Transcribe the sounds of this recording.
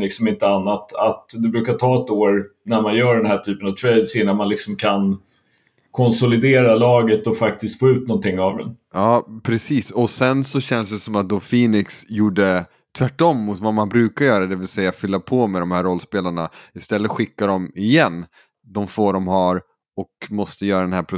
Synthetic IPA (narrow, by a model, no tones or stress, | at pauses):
lɪksɔmɪnt̪əanːat̪ʰat̪d̪ɛbɾʉ̟ːkaʈʰɑːɛt̪oːɾnæɾmanjœːɖɛnhæːʈʰyːpənavt̪ʰɾɛjd̪sɪnːanmanlɪksɔmkʰan | kʰɔnsʊlɪd̪eːɾalɑːɡət̪ɔfak̚t̪ɪst̪foːʉ̟ːt̪̚nɔnt̪ɪŋːavd̪ɛ̰nɑːpʰɾɛsiːsɔsɛnsɔɕɛnːsd̪ɛsɔmat̪̚d̪oːfiːnɪksjuːɖːə | t̪ʰvæʈːɔmːʊt̪vamanbɾʉ̟ːkaɾjœːɾad̪ɛvɪlsɛjːafʏlːapʰomɛd̪ɔmhæːɾɔlːspeːlaɳaɪst̪ɛlːət̪ɧɪkːaɖ̪ɔmɪjɛnː | d̪ɔmfoːɖɔmɦaɾ | ɔkmɔst̪əjœːɾad̪ɛnɦæːɾpʰɾʊ